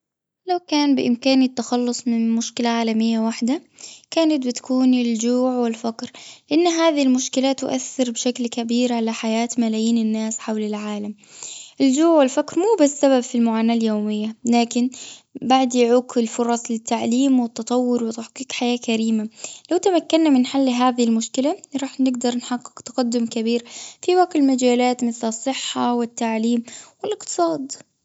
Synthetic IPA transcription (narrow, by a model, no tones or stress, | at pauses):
lawkaːnbɪʔɪmkaːnɪt̪ːaxɑlːʊsˤmɪnmʊʃkɪlaʕaːlamɪjːawaħd̪a | kaːnat̪̚bɪt̪ḁkuːnɪld͡ʒuːʕwɪlfakɾlɪʔɪnːɦaːðɪlmʊʃkɪlaːt̪ːʊ̰ʔaθːɪɾbɪʃaklkabiːɾʕalaħajaːt̪malaːjiːnɪnːaːsħawlɪlʕaːlam | ʔɪld͡ʒuːʕwɪlfakɾmuːbasːaβabfilmʊʕaːnaːljoːmɪjːalaːkɪnbaʕd̪jɪʕuːkɪlfʊɾˤɑsˤlɪt̪ːaʕliːmwɪt̪ːɑt̪ˤɑwːʊɾwɪt̪aħqiːkħajaːkaɾiːmalawt̪amakːanːamɪnħalːɦaːðɪhɪlmʊʃkɪlaɾˤɑːħnɪɡd̪ɑɾˤnħaqːɪ̥kt̪ḁɡad̪ːʊmkabiːɾfiwaqɪlmad͡ʒaːlaːt̪mɪθlɨsˤːɨħːawɪt̪ːaʕliːmwɪlʔɪqt̪ɨ̥sˤɑːd̪